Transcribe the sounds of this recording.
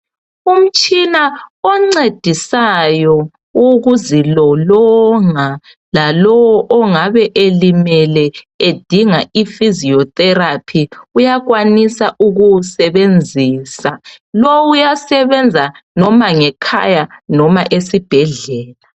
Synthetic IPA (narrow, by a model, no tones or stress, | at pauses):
um̩t͡ʃʼinaɔŋ͡ǀed̥ʱisajɔ | uɣuzilɔlɔŋa | lalɔwɔʔɔŋaβɛʔelimɛlɛ | ed̥ʱiŋaʔifiziɔtʼɛrapʰiujaɣwanisaʔuɣusɛβend͡zʱiːsalɔwujasɛβɛnd͡zʱa | nɔmaŋɛkʰa̰janɔmaʔesib̥ʱɛɮɛːla